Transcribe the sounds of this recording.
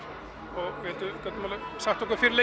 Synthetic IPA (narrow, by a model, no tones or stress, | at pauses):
ɔɣʋɪhɛlt̪ʏkœt̪nmaːlʏsaht̪ɔkaɾfɪɾɪle